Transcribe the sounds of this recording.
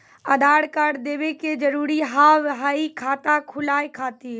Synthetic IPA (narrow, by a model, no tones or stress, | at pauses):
əd̪ʱaɽkaɽd̪eːʋeked͡ʒəɾuːɾiɦaɦəikʰaːt̪akʰʊlaːjkʰaːt̪i